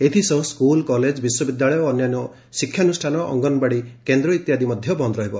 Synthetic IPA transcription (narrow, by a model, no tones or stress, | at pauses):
et̪ʰisɔɦũskulkɔled͡ʒbiswɔbid̪jaɭɔjɔːnjanɔ | sikʰːjanusʈʰanɔʔɔ̰ŋɡɔnbaɽikend̪ɾɔit̪jad̪imɔd̪ʱjɔbɔnd̪ɾɔɦibɔ